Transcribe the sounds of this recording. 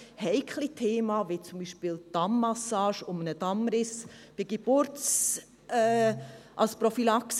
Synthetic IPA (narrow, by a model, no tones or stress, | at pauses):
hɛɪkχlitʰeːmɑʋɪt͡sʊmbiːʃpɪld̥ɑmːɑsɑːʃʊmənədɑmɾɪsb̥ɪɡ̥eb̥ʊɾt͡s | ɛʔɑlspɾɔfilɑks